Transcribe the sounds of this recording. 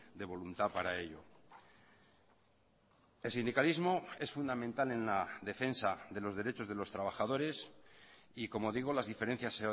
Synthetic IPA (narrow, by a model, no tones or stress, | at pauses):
d̪e̞βo̞lunt̪apaɾae̞ʎo̞̰ | e̞lsind̪ikalizmo̞e̞sfund̪amẽnt̪ale̞nlaðe̞fe̞nsaðe̞lo̞zðe̞ɾe̞t͡ʃo̞zð̞e̞lo̞st̪ɾaβ̞axaðo̞ɾe̞s | iko̞mo̞ðiɣ̞o̞lazðife̞ɾe̞n̟θjase